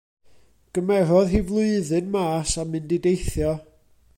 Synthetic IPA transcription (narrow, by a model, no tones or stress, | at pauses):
ɡ̥əmɛɾɔðɦivlˠʊɨðɨnmaːsamɨndidejθjɔ